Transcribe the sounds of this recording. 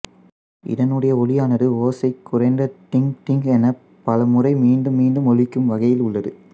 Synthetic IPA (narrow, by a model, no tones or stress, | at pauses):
ʔɪ̰ɽɐnɯɽɐjɐɔlɪjaːnɐðɯoːsɐɪkːʊrɐɪnd̪ɐʈ̪ɪŋʈ̪ɪŋɡɛnɐ | pːɐlɐmɯrɐɪmiːɳɖɯmːiːɳɖɯmɔɻɪkːɯmʋɐɣɐjɪlʊɭːɐðɯ